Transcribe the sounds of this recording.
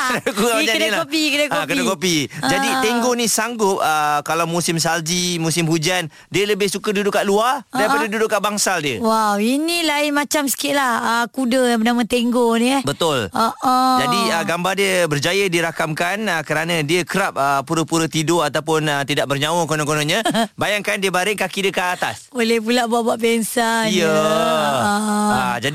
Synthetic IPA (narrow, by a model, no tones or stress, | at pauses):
akuad͡ʒanilaopikudəkaokuəkopid͡ʒadit̪eŋɡonĩsaŋɡʊp̚əkalawmusɪms̬ald͡ʒimũsɪmhud͡ʒan | diələbɪhsukədudʊʔkːaʔluadaɾipadadudʊʔkːaʔbaŋsaldiəwawinilaɪnmat͡ʃamsə̥kɪʔlahəkudəpənamə̃t̪eŋɡonbət̪ʊlɔʔʔəd͡ʒadiəɡambardiəbərd͡ʒajədiɾakamkanəkəɾanãdiəkəɾap̚əpuɾəpuɾət̪idoat̪awpʊnət̪idaʔ̚bərɲãwəkonɔ̃ŋkonõɲə̃bajaŋkandiəbaɾɪʔkakidəkaʔːt̪a̰solɛhpulaʔbuaʔbaʔbɛnsaijə | ad͡ʒadi